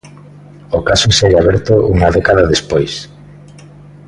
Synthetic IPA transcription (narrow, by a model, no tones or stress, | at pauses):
okasoseɣaβɛɾt̪ʊʔuŋaðɛkaðaðespojs